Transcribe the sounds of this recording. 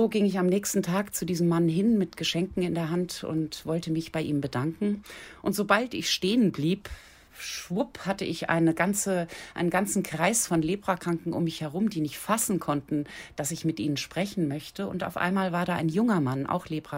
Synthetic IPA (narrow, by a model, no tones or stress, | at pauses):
zoːɡɪŋɪçamnɛːçstn̩tʰaːkt͡sudiːzəmːanɦɪnmɪtɡ̥əʃɛŋkŋ̩ɪndeːɐɦantʊ̰ntv̥ɔltəmɪçb̥aɪʔiːmbədaŋkŋ̩ʔʊntz̥obaltɪ̰çʃteːənbliːp | ʃvʊphatəʔɪçʔa̰ɪnəɡant͡səʔaɪnənɡant͡sn̩kʁ̥aɪsfɔnleːbʁ̥akʁ̥aŋkŋ̩ʔʊ̰mːɪçhɛʁ̞ʊmdiːnɪçtfasn̩kʰɔntn̩d̥asɪçmɪtʔiːnənʃpʁ̥ɛçn̩mœçtəʊnta̰ʊfʔa̰ɪnmaːlvaːɐdaːʔa̰ɪnjʊŋɐmanʔa̰ʊxleːbʁa